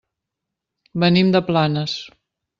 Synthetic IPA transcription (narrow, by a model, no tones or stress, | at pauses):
bənimd̪əplanəs